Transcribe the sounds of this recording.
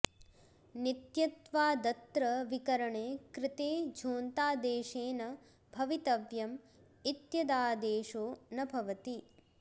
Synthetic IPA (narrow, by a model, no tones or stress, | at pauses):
nit̪jɐt̪ʋaːd̪ɐt̪ɾɐʋikɐɾɐɳeːkɾɪt̪eːd͡ʒʱoːnt̪aːd̪eːʃeːnɐ | bʱɐʋit̪ɐʋjɐm | it̪jɐd̪aːd̪eːʃoːnɐbʱɐʋɐt̪i